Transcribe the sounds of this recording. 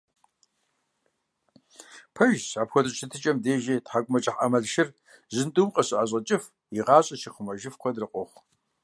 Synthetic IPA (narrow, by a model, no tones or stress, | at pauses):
pʰɐʒsaːpxʷɔdɨɕʰɪtʰɨt͡ʃʼɐmdeːʒetħakʷʼʊmɐt͡ʃʼɪħa̰mɐɮʃɪr | zɨntʼumqʼɐɕɨʔaʑʼɐt͡ʃʼɪf | iʁɑːɕʼɐʃiqəmɐʒɪfkʷɔdrɨqʷʼɔχʷ